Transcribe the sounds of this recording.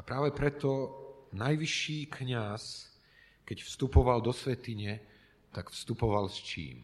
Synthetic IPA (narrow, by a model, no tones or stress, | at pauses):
apɾaːʋɛpɾɛt̪ɔnajʋiʃːiːkɲas | kɛcfst̪upɔʋald̪ɔsʋɛt̪iɲɛ | t̪aɡfst̪upɔʋalst͡ʃḭːm